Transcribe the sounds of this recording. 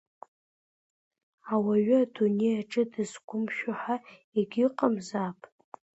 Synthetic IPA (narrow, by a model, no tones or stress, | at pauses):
awaɥadunejaʈ͡ʂʼɨdɨzɡʷʼʊmʃᶣʊħa | eɡʲiqʼəmzapʼ